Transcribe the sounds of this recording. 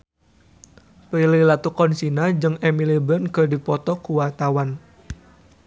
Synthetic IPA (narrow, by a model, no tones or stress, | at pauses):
pɾililat̪ukɔnsinad͡ʒɨŋɛmilibənkədipɔt̪ɔkuwart̪awan